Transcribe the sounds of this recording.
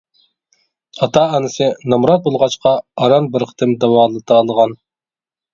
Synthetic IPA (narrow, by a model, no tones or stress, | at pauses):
ɑt̪ʰɑɑnɨsɨnɑmɾɑt̪̚bolˠʁɑt͡ʃqʰɑɑɾɑnbɪɾqʰə̥t̪ʰɪmd̪ɑwɑːlˠɨt̪ɑːlˠəʁɑn